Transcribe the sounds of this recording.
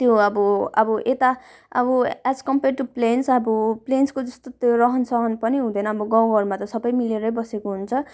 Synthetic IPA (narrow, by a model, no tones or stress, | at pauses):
t̪joʌbʌʌbʌʔet̪a | ʌ̰bʌad͡zkʌmperʈuplensʌbʌplenskod͡zʌst̪ot̪joɾʌɦʌnsʌɦʌnpʌniɦũd̪ʌjnʌʌbʌɡãwɡʱʌɾmat̪ʌsʌbʌjmileɾʌjbʌsekoɦunt͡sʰʌ